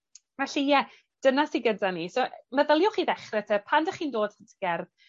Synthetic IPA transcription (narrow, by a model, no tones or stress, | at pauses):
maɬijɛ | d̥ənasiɡədanisoʔməðəlˠjʊχiðɛχrɛtʰɛpʰandəχiːndoːd̥hətʰəɡ̥ɛrð